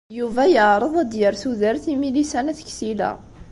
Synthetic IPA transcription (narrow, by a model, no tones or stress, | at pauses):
juvæjəʕɾˤəðˤæd̪jəɾθuðəɾθimilisænæθə̥çsilæ̰